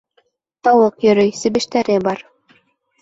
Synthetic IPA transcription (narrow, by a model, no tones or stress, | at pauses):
t̪ɑwɤqjɵ̆ɾɵjsɘ̆βɘ̆ʃt̪æɾɘbɑɾ